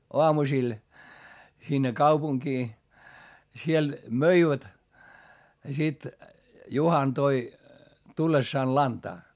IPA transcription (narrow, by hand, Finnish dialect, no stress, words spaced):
oɑmusil sinːe kɑupuŋkiː jɑ siel møiʋæt jɑ sit juhɑn toi tulːesːɑːn lɑntɑː